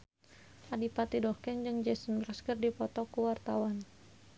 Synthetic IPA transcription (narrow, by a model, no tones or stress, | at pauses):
ʔadipat̪idɔkɛŋd͡ʒəŋd͡ʒɛsənbɾaskərdipɔt̪ɔkuwart̪awan